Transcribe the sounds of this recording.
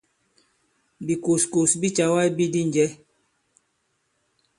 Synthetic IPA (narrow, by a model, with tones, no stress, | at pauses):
bi˨ko˨sko˨sbi˦t͡ʃa˨wa˦i˦bi˦di˦n˨d͡ʒɛ˦